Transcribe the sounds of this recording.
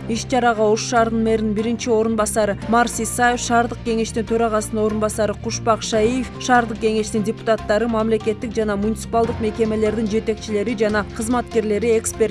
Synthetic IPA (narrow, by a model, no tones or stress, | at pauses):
iʃt͡ʃʰɑɾɑʁɑo̞ʃːɑːɾd̪ɯnme̞ɾnɪnbiɾint͡ʃio̞ɾunbɑsɑɾɯmɑɾsisɑje̞fʃɑːɾd̪əq̚kʲe̞ŋe̞ʃt̪int̪ʰø̞ɾɑʁɑsəno̞ɾunbɑsɑɾɯqʰuʃpɑqʃɑjijefʃɑːɾd̪əq̚ɡʲe̞ŋe̞ʃt̪indʲɪpu̥t̪at̪ːɑɾɯmamle̞kʲe̞t̪ːik̚d͡ʒɑnɑmunʲɪt̪sɨ̥palˠd̪əqme̞kʲe̞me̞le̞ɾd̪ind͡ʒe̞t̪e̞k̚t͡ʃile̞ɾid͡ʒɑnɑqʰəzmɑt̪ke̞ɾle̞ɾie̞kspʲe̞